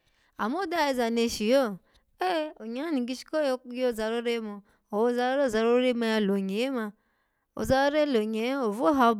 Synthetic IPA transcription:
a̰˨m˦o˦da˦˨i˧za˨ne˨ʃi˨o˦˨ | e˦o˨ɲa˨˦a˦ni˨ɡi˦ʃi̥˦ko˦jo˦˨za˨ɾo˦ɾe˦mo˧ | o˨˦za˧˦ɾo˦ɾe˦o˦˨za˨˧ɾo˦ɾe˦ma˧ja˧˨lo˨ɲe˨e˦ma˧ | o̰˨za˦ɾo˦ɾe˦lo˨ɲe˨˦o˨vo˦ɦa˧o˧˦b

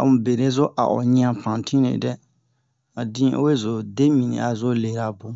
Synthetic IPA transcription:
a̰˨mũ˨be˨ɾe˦zʊ˦ʔa̰˨ʔɔ̰˨ɲĩ˦ã˦pʰã˨n˨tʰĩ˦nḛ˨dɛ˦ | a˨dĩ˦o̰˦we˦zʊ˨de˦mĩ˨nḭ̃˨a˨zʊ˦le˨ɾa˨bʊ˦

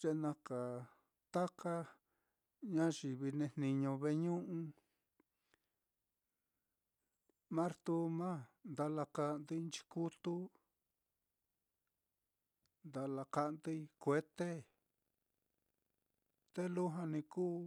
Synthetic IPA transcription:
t͡ʃe˧nã˧ka˨ | t̪a˦ka˦ | ɲã˦ʃi˨βi˧nẽ˧nnĩ˧ɲõ˧βe˧ɲũ˦ʔũ˧ | mã˦ɾt̪u˧mã˦nd̪a˧la˧ka˧ʔnd̪i˦˧˦nt͡ʃi̥˧ku˦t̪u˦ | nd̪a˧la˧ka˧ʔnd̪i˧i˧kʷe˧t̪e˦ | t̪e˦lu˦ɦã˧nĩ˧kuː˦

